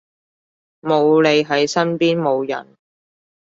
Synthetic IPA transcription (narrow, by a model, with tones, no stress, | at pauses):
mo˨˧wle˨˧jɦɐ˨˥jsɐ˥npiː˥nmo˨˧wjɐ̰˨˩n